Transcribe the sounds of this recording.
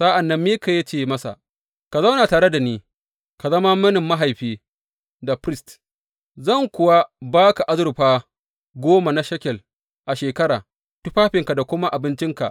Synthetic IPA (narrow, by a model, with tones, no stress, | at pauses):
sɐ˦ʔa˨nːɐ˦mːiː˦ka˨je˦t͡ʃeː˨mɐ˦sa̰˨ | ka˨za˦wna˨taː˨ɽe˦da˨niː˦ | ka˨zɐ˦ma˦mɐ˦nɪ˨mːa˦ɦa˨jɸiː˦ | da˨ɸɾɪ˦st | zɐ˦˨ŋkʷʊ˨wa˦baː˦ka˨ʔa˦zʊ˦˨ɾɸaː˦ | ɡʷoː˦ma˨na˦ʃɐ˦kʲɛ˨l | ʔa˨ʃeː˨kɐ˦ɾaː˨ | tʊ˦ɸaː˦ɸɪ˨ŋka˨da˨kʷʊ˦ma˦ʔa˨bɪ˦nt͡ʃɪ˦ŋka̰˨ʔ